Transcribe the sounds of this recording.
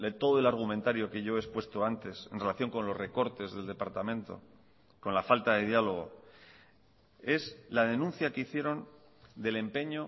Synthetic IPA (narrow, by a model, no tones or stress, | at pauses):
d̪et̪o̞ðoe̞laɾɣ̞umẽ̞nt̪aɾjo̞ke̞ʝo̞espwe̞st̪o̞ant̪e̞se̞nre̞laθjo̞ŋko̞nlo̞zre̞ko̞ɾt̪e̞zðe̞ld̪e̞paɾt̪amẽ̞nt̪o̞̰ | ko̞nlafalt̪að̞e̞ðjalo̞ɣ̞o̞̰ | e̞slað̞e̞nũnθjakeiθje̞ɾo̞n | d̪e̞le̞mpe̞ɲo̞